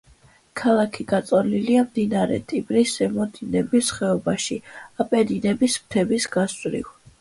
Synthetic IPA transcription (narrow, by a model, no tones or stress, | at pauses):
kʰalˠakʰiɡat̪sʼɔliliamd̪inaɾɛ̰t̪ʼibɾisɛmɔd̪inɛbisχɛɔbaʃiapʼɛd̪inɛbism̚t̪ʰɛbisɡasʼɾḭw